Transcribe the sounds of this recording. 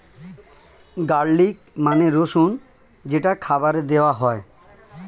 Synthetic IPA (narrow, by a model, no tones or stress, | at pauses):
ɡaɽːik | maneɾoʃun | d͡ʑeʈakʰabaɾed̪eoaɦɔe